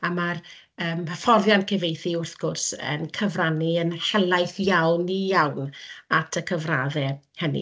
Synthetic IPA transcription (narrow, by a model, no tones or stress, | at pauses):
amar | əːməfɔrðjankʰɛvejθiʊrθɡ̥ʊrsə̰nkʰəvraniənhɛlˠajθjawnijawnatʰəkʰəvraːðɛ | hənḭ